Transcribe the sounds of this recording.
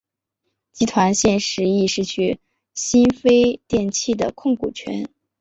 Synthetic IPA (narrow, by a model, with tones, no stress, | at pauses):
t͡ɕi˥t̪ʰwa˧˥nɕjɛ˥˩nʂɻ̩˧˥i˥˧ʂɻ̩˥˩t͡ɕʰy˥˩ | ɕi˥nfe˥ɪt̪jɛ˥˧nt͡ɕʰi˥˩d̪ə̰˩kʰʊ˥˩ŋkṵ˨˩t͡ɕʰɥɛ̰˧˥n